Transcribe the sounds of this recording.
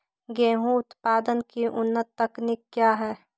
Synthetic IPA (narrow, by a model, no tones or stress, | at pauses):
ɡeːɦũʊt̪paːd̪ənkiʔʊnːət̪ːɐknɪkːjaːɦɛː